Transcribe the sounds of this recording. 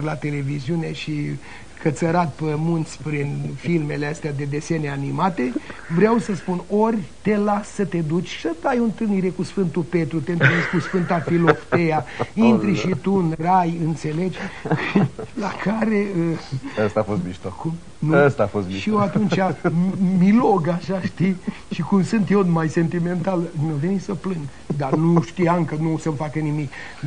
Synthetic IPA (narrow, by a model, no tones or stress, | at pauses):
lat̪e̞le̞viziune̞ʃi | kət̪səɾat̪pəmunt̪sʲpɾinfilme̞leəst̪ead̪e̞d̪e̞seneanimat̪e̞vɾeawsəspunorʲt̪e̞lasːət̪e̞d̪ut͡ʃʲsəd̪ajont̪ɨlniɾe̞kusfɨnt̪upe̞t̪ɾut̪eɨnt̪ɨneskusfɨnt̪afiloft̪ejaint̪ɾiʃit̪unrajɨnt̪se̞le̞d͡ʒʲ | lakʰaɾe̞əəst̪afost̪miʃt̪oku | nuəst̪aafost̪miʃijeat̪unt͡ʃamiloɡaʃaʃt̪ijʃikumsɨnt̪jonmajse̞nt̪ime̞nt̪alnewvenisəplɨŋɡ | d̪anuʃt̪iamkənusəmfakənimik